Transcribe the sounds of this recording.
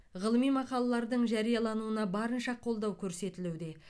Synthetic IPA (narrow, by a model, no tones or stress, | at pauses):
ʁəlˠəmijmɑqɑlˠɑlˠɑɾd̪əɴʒɑɾijɑlˠɑnuənɑbɑɾənʃɑqʰːo̞lˠd̪ɑwkʲʰɵɾse̞t̪ɪlud̪e̞